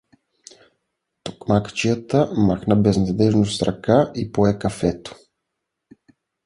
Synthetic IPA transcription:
t̪o̥kmakt͡ʃijət̪əmaxnəbɛznɐd̪ɛʒnost̪ɾɐkaʔipoɛkɐfɛt̪o̥

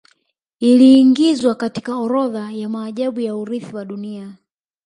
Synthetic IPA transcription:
iliːŋɡizwakati̥kaɔɾɔðajamaːʄaɓujauɾiθiwaɗunia

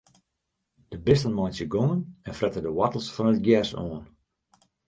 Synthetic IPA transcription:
d̥əbɪstənmɔjnsjəɡoŋənɛnfrɛtədəwatəl̩ˠsfɔnət̚ɡjɛsoən

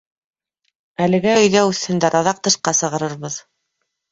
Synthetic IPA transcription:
ælɘ̆ɡæɵ̆jðæʉθɘ̆nd̪æɾʔɑðɑq̚t̪ɤ̆ʃqɑsɤ̆ʁɤ̆ɾɤɾβɤð

